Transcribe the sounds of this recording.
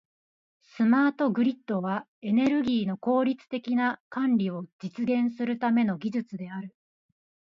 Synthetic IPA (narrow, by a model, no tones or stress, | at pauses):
sɨmaːt̪o̞ɡɯ̟ɾʲit̪ːo̞βa | e̞ne̞ɾɯ̟ɡʲiːno̞ko̞ːɾʲit͡sɨ̥t̪e̞kʲinakãnɾʲio̞d͡ʑit͡sɨɡẽ̞ɰ̃sɨɾɯ̟t̪ame̞no̞ɡʲiʑɨt͡sɨd̪e̞aɾɯ̟